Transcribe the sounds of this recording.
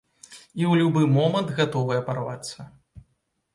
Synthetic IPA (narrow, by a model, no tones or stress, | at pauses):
iwlʲubɨmɔmɐnd̪ɣat̪ɔvɨjɛpɐɾava̰t̪sːɐ